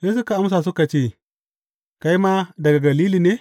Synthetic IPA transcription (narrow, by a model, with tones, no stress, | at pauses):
je˦s̬u˦ka˨a˦ms̬a˨s̬u˦ka˨t͡ʃe˦˨ | ka˦ji˦ma˦dɐ˨ɡa˨ɡa˨liː˦li˨ne˦